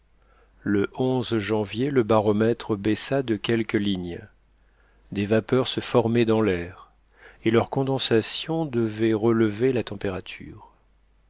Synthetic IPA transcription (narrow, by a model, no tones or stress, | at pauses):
ləʔɔ̃zʒɑ̃vjeləbaʁɔmɛt̪χəbɛsad̪əkʲɛlkəliɲ | d̪evapœʁsəfɔʁmɛd̪ɑ̃lɛːʁ | elœʁkɔ̃d̪ɑ̃sasjɔ̃d̪əvɛʁələvelat̪ɑ̃peʁat̪ʰy̰ːʁ